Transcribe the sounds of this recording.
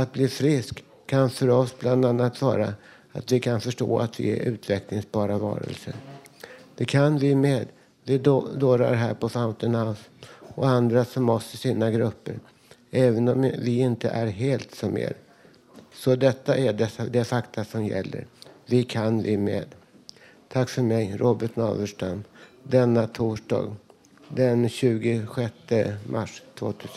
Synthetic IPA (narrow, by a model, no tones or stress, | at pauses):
at̪̚bliːfɾɪskʰː | anfœɾɔsbland̪anːat̪vɑ̰ːɾa | at̪vɪkʰanfœʂʈo̰ːa̰t̪vɪ̰ɛ̰ɾʔʉ̟ːt̪vɛklɪŋsbɑːɾavɑ̰ːɾə̰lsəɾ | d̪̥ɛkʰanvɪmeːd̪ | vɪd̪oːɾa̰ɾɦæ̰ːɾpɔfaʊnt̪ənhaʊsɔand̪ɾasɔmːɔst̪əsiːnːaɡɾɵpːə̰ɾ | ɛːvənɔmvɪɪnt̪əʔæɾɦeːlt̪sɔmḛːɾ | sɔd̪ɛt̪ːaʔæɖɛsad̪ɛfakt̪ʰasɔmjɛ̰lːə̰ɾvɪkʰanvɪmḛːd̪ | t̪ʰakːfœɾmɛjɾʔoːbəʈnɑ̰ːvəʂʈamd̪ɛnːat̪ʰuːʂɖɑ̰ːɡ | d̪ɛnɕʉ̟ːɡɪɧɛt̪ːəmʔa̰ʂt̪ʰvo̰ːt̪ʰʉ̟ːs